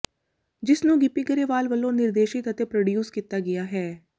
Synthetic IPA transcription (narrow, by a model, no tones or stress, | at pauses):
d͡ʒɪsnũːɡɪpiɡəɾeːʋaːlʋəlːõnɪɾd̪eːʃɪt̪ət̪epɾəɖjuːskiːt̪aɡɪjaːɦɛː